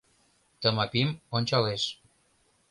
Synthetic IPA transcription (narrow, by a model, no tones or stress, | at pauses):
t̪əmɑpimonʲt͡ɕɑleʃ